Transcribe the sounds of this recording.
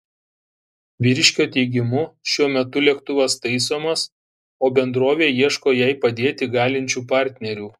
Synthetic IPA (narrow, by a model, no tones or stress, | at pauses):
ʋʲɪɾʲʃʲkʲoːt̪ʲɛɪɡʲɪmʊʃʲuɔmʲɛt̪ʊlʲiɛkt̪ʊʋɐst̪ɐɪsoːmɐs | oːbʲɛnd̪ɾoːʋʲeːjiɛʃkoːjɛˑɪpɐd̪ʲeːt̪ʲɪɡɑːlʲɪnʲt͡ʃʲuːpɑˑɾʲt̪ʲnʲɛɾʲuː